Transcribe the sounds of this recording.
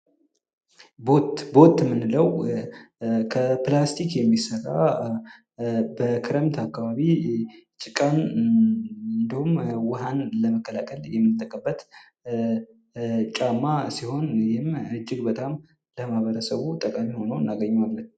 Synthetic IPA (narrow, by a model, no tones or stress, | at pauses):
botbo̞t̪ːmːɨnːɨləw | kʰəplast̪ʰikjɛmːisəra̰ | bəkʰɨɾəmt̪ʰakːaβaβit͡ʃʼɪkʼan | ɨnd̪ihumwʊɦanləməkʰːəlakʰəljɛmːɨnt̪ʼːəkʼəbːət̪ | t͡ʃʼamːasiho̞njɪmɨd͡ʒːɪɡbət̪ʼam | ləmahβəɾəsəβut̪ʼəkʼamiho̞nəɨnːaɡəɲːuamlət̪